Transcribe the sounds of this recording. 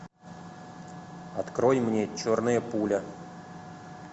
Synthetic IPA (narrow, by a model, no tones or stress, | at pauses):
ɐt̪kɾojmnʲet͡ɕo̞rnɨjəpulʲə